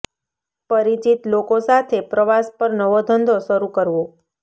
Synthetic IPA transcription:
pəɾit͡ʃit̪lokosat̪ʰepɾəʋaspəɾnəʋod̪ʱənd̪ʱoʃəɾukəɾʋo

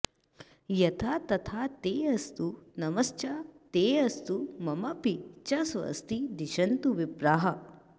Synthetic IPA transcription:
jɐt̪ʰaːt̪ɐt̪ʰaːt̪eːɐst̪unɐmɐst͡ʃɐt̪eːɐst̪umɐmɐpit͡ʃɐsʋɐ̰st̪id̪iʃɐnt̪uʋibɾaːɦɐ

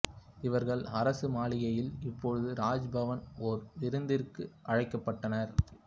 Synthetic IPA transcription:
ɪʋɐɾɣɐɭɐɾɐsɯmaːɭɪjɐjɪlɪpːoɻɯðɯɾaːd͡ʒbɐʋɐnɔɾʋɪɾɯnd̪ɪɾkɯʔɐɻɐɪkːɐpːɐʈːɐnɐɾ

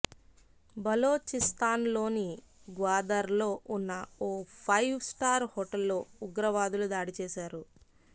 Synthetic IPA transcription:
bɐlo̞ːt͡ʃist̪aːnlo̞ːni | ɡʋaːd̪ɐɾlo̞ːʔunːɐoːpʰɐjʋsʈaːɾhoːʈɐlːoːuɡɾɐʋaːd̪ulud̪aːɽit͡ʃɛːʃaːɾu

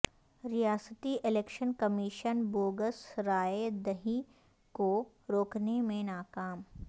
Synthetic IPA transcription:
ɾijaːsət̪iʔɪleːkʃənkɐmiːʃənboːɡəsɾaːed̪əɦĩ | ko | ɾoːknemẽnaːkaːm

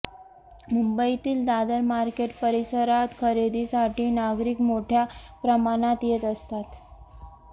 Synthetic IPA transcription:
mumbəit̪iːld̪ad̪əɾmaɾkeʈpəɾisəɾat̪kʰəɾed̪isaʈʰiːnaɡɾiːkmoʈʰjapɾəmaɽ̃at̪jet̪əst̪at̪

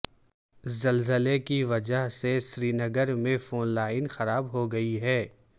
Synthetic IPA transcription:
zɐlzəlekiʋɐd͡ʒəɦseʃɾiːnɐɡəɾmẽfoːnlaːɪnxɐɾaːbɦoɡɐiɦɛː

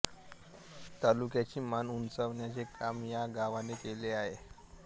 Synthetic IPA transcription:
t̪alukjat͡ɕiːmanunt͡səʋnjat͡sekʰamjaɡaʋanekeleaɦe

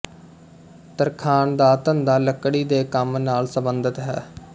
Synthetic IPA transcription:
t̪əɾkʰaːnd̪aːt̪ənd̪aːləkɽiːd̪eːkəmnaːlsəbənd̪ət̪ɦɛ̰ː

